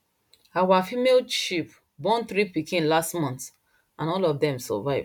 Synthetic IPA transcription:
awafimelʃip | bɔ̃nθɹipikĩnlastmɔ̃nts | ãnɔlɔvdɛ̃msɔ̰vaɪv

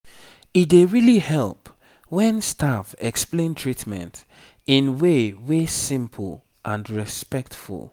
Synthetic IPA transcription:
it̚deɹilihɛlˠp | wɛ̃nstʰafɛksplẽntʰɹitmɛ̰̃nt | ĩnwewesɪ̃mpʰl̩ˠ | ʔãnɹɛspɛk̚tfṵlˠ

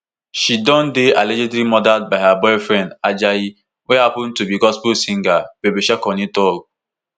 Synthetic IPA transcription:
ʃidɔ̃ndealɛd͡ʒɛdɾimɔdat̚baɪɦabɔɪfɾɛ̃ndad͡ʒaji | wehapʊ̃n̩tubiɡɔspulsĩŋɡab̥ebeʃakɔnitɔɡ

